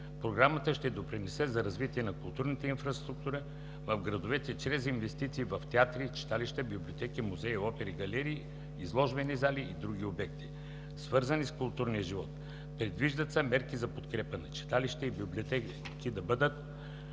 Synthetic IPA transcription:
pɾoɡɾamət̪əʃt̪ɛd̪opɾinɛsɛzɐɾɐzvit̪iɛnɐkʊlˠt̪uɾnit̪ɛinfɾɐst̪ɾuk̚t̪uɾə | vɐfɡɾɐd̪ovɛt̪ɛt͡ʃɾɛzinvɛst̪it̪siːvɐft̪ɛat̪ɾit͡ʃi̥t̪aliʃt̪ɛbiblʲiot̪ɛkimuzɛiɔpɛɾiɡɐlɛɾiː | zlˠɔʒbɛnizaliːd̪ɾuɡʲiobɛkt̪i | svɤɾzɐniskʊlˠt̪uɾnijəʒivɔt̪ | pɾɛd̪viʒd̪ət̪sɛmɛɾkizɐpot̪kɾɛpənɐt͡ʃi̥t̪aliʃt̪ɛibiblʲiot̪ɛ | kid̪ɐbəd̪ət̪

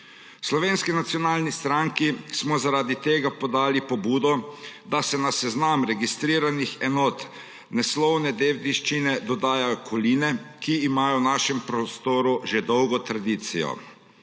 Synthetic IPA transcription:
slɔʋeːnskinat̪sijɔnaːlnist̪ɾaŋkismɔzaɾaːd̪it̪eːɡapɔd̪aːlipɔbuːd̪ɔd̪asɛnasɛznamɾɛɡist̪ɾiːɾanixɛnɔːt̪ | nɛslɔwnɛd̪ewd̪iʃt͡ʃinɛd̪ɔd̪aːjajɔkʰɔliːnɛkiːmaːjɔwnaːʃɛmpɾɔst̪oːɾuʒed̪ɔwɡɔt̪ɾad̪iːt̪sijɔ̰

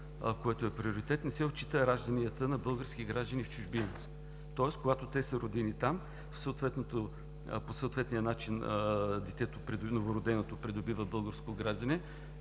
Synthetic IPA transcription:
koɛt̪oɛpɾioɾit̪ɛt̪nɛsɛot̪̚t͡ʃːi̥t̪əɾaʒd̪əniət̪ənɐbɤlˠɡəɾskiɡɾaʒd̪ənift͡ʃʊʒbinos | t̪ɔɛskoɡat̪ot̪ɛsəɾod̪init̪am | fsəot̪vɛt̪not̪o | posəot̪vɛt̪nijənat͡ʃinəd̪ɛt̪ɛt̪opɾɛd̪novoɾod̪ɛnot̪opɾɛd̪obivəbɤlˠɡəɾskot̪oɡɾaʒd̪ənɛ

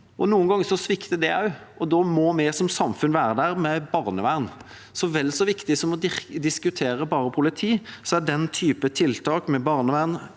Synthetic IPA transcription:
ʔɔnuːənɡɑŋːəɾsɔsʋɪkt̪əd̪ɛɑ̰ʉʔɔd̪ɔmɔmɛsɔmsɑmfʉnʋæːɾəd̪æɾmɛbɑːʁnəʋæʁn | sɔʋɛlːsɔʋɪkt̪ɪsɔmɔd̪ɪskʉt̪ʰeːɾəbɑːɾəpʰʊlɪt̪ʰiːsɔæɖɛnt̪ʰyːpət̪ʰɪlt̪ʰɑːkmɛbɑʁnəʋæʁn

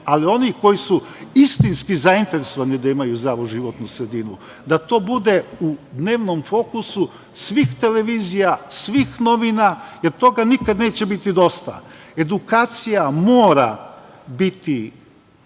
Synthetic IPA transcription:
alio̞niko̞jisuist̪inskizaint̪e̞ɾeso̞ʋanid̪aimajuzɾaʋuʒiʋo̞t̪nusɾe̞d̪inu | d̪at̪o̞ːbud̪e̞ud̪ne̞ːʋno̞mfo̞kusu | sʋixt̪e̞le̞ʋizijasʋixno̞ʋinajeɾt̪o̞ɡanikad̪ne̞ːt͡ɕe̞bit̪id̪o̞st̪a̰e̞d̪ukaːt̪sijamo̞ːɾa | bit̪i

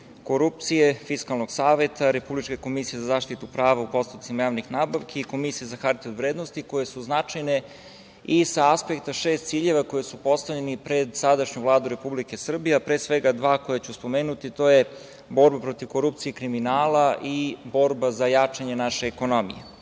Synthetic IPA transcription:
koɾup̚t̪sijefiskalˠnoɡsaːʋe̞t̪ʰaɾe̞publit͡ʃkeko̞misije̞zazaːʃt̪it̪upɾaːʋaupo̞st̪ut̪t̪simajaːʋnixnaːbaʋkʰeiko̞misijezaxaɾt̪iod̪ʋɾeːd̪nost̪iko̞je̞suznat͡ʃajne | isaaspe̞k̚t̪aʃe̞ːst̪t̪siːʎe̞ʋako̞jesupo̞st̪aʋʎenipɾe̞d̪sad̪aʃɲuvlˠaːd̪uɾe̞publike̞sr̩bijeapɾeːsʋe̞ɡad̪ʋaːkojat͡ɕuspo̞meːnut̪it̪o̞je̞ | bo̞ɾbapɾo̞t̪iʋko̞ɾup̚t̪sijekɾiminaːlaʔibo̞ɾbazajat͡ʂaɲenaʃeːko̞no̞mḭje

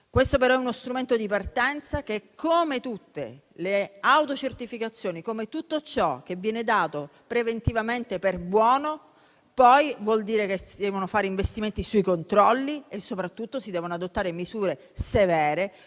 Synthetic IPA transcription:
kwest̪opeɾɔɛunost̪ɾument̪od̪ipart̪ɛnt̪sak̟ekʰːomet̪ut̪ːḛ | leawt̪ot͡ʃert̪ifikat̪sːjoːnikomet̪ut̪ːot͡ʃɔk̟ːevːjɛːned̪aːt̪opɾevent̪ivament̪eperbwɔːno | pɔjvwɔld̪iːɾekesid̪ɛːvonofaːɾeiɱvest̪iment̪isujkont̪ɾɔlːiesːopɾat̪ːut̪ːosid̪ɛːvonoad̪ot̪ːaːɾemizuːɾe | sevɛːɾe

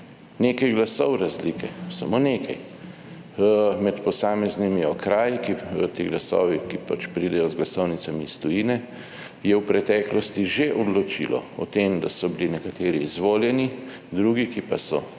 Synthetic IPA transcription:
neːkajɡlasɔwɾazliːkʰɛsamoːneːkʰaj | mɛt̪pɔsaːmɛznimiɔkɾaːjikit̪eɡlasɔ̰ːʋikipat͡ʃpɾid̪ɛjɔzɡlasɔwnit͡s̪amist̪ɔjinɛ | jɛwpɾɛt̪ɛːklɔst̪iʒeʔɔd̪lɔt͡ʃḭlɔ̰ɔt̪eːmd̪asɔbilinɛkat̪eːɾiːzʋoːljɛni | d̪ɾuɡikipasɔ

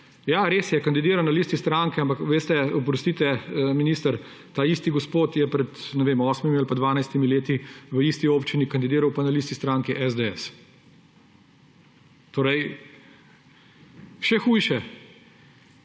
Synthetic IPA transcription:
jaɾeːsjɛkand̪id̪iːɾannalist̪ist̪ɾaŋkɛampakʋeːst̪ɛɔp̬ɾɔst̪it̪ɛminiːst̪əɾ | t̪aːist̪iɡospoːt̪jɛpɾɛt̪nɛʋeːmɔːsmimialpad̪ʋaːnajst̪imileːt̪iʋəist̪ioːpt͡ʃinikand̪id̪iːɾawpanaliːst̪ist̪ɾaŋkiʔɛzd̪eɛs | t̪oːɾɛj | ʃɛxuːjʃɛ

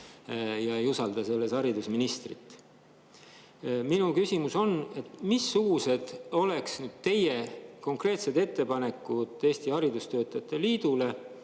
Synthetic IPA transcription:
jɑejusɑld̪̥ɑse̞lːe̞sɑɾid̪usminist̪rit̪ːˑ | minukysimuso̞ne̞t̪misːuɡ̥use̞d̪̥o̞le̞ksnyːd̪̥̚t̪e̞je̞ko̞ŋkre̞ːt̪se̞d̪̥e̞t̪ːe̞pɑne̞kːˑud̪̥ˑe̞ːst̪iɑɾid̪ust̪ø̞ːt̪ːˑɑjɑt̪ːˑe̞liːd̪̥ule̞

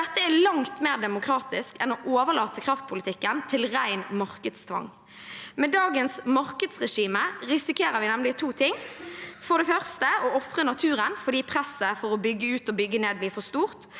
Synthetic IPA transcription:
ɛt̪ːəælɑŋt̪meːʁd̪ɛmʊkʰʁɑːt̪ɪskɛnoːʔoːʋəlɑːt̪əkʰʁɑft̪̚pʰʊlɪt̪ʰɪkːənt̪ʰɪlʁæɪnmɑʁkəd̪st̪ʰʋɑ̰ŋ | mɛd̪ɑːɡənsmɑʁkəd̪sʁɛʃiːməʁɪsɪkeːʁəʋɪnɛmlɪt̪ʰuːt̪ʰɪŋːfɔʁd̪ɛfœʁst̪əɔɔfʁənɑt̪ʰʉːʁənfɔʁd̪iːpʰʁɛsːəfɔʁɔbʏɡːəʉːt̪ɔbʏɡːəneːd̪̚bliːfɔst̪uːʁt̪

